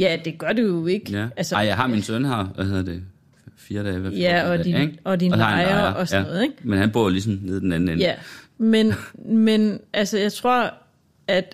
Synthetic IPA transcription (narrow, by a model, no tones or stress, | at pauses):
jæd̥e̝ɡ̥ɶɐ̰d̥ujo̝e̝ɡ̥ælsɪjɑ̈ɪɦɑ̈minsønhɑʊʋæheðˠɐd̥e̝ | fiːɐd̥ɛːʋæɐ̰jæɒd̥iʔɒ̽d̥inɑɪɐʔɒsnɔ̽ːð̩ˠeɡ̥menhænb̥o̰ɐ̰olis̬ɒm̩ne̝ðˠd̥enæn̩enjæmenmenʔælsəjɑ̈ɪt͡sʰʁo̝ɐ̰ | æd̥